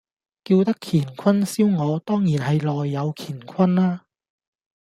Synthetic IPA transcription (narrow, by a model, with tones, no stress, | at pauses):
kiː˧wt̪ɐ˥kʰiː˨˩nkʰɐ˥nsiː˥wŋɔː˨˧t̪ɔː˥ŋjiː˨˩nɦɐ˨jlɔː˨jːɐ˨˧wkʰiː˨˩nkʰɐ˥nlaː˥